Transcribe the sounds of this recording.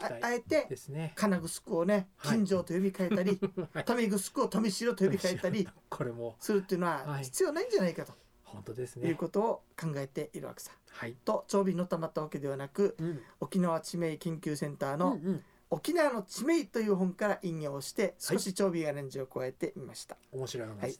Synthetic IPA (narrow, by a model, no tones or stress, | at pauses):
ae̞t̪e̞snkʰanaɡɯ̟sɨ̥kɯ̟one̞kʲĩɲ̟d͡ʑo̞ːt̪ojomʲikaet̪aɾʲit̪omʲiɡɯ̟sɨ̥kɯ̟ot̪omʲiɕiːɾot̪ojobʲikaeaɾʲikʰoɾemosɨɾɯ̟t̪o̞jiɯ̟noaçi̥t͡sɨjo̞ːnaĩɲ̟d͡ʑanaikat̪o̞̥ | hõnt̪od̪esnjɯ̟ːko̞t̪o̞ːkãŋɡae̞t̪e̞ʔiɾɯ̟βa̰ke̥sḁ̃t̪o̞t͡ɕo̞ːbʲino̞t̪amat̪ːaβake̞d̪e̞β̞anakɯ̟o̞kʲinaβat͡ɕime̞ikẽ̞ŋkʲɨːsẽ̞nt̪aːno̞ | okʲinaβano̞t͡ɕime̞it̪o̞jɯ̟ːɦõ̞ŋkaɾaʔĩɲjo̞ːɕi̥t̪e̞soɕit͡ɕo̞ːbʲiɡaɾãɲd͡ʑiokɯβae̞t̪e̞ʔimaɕi̥t̪ḁomɕiɾohai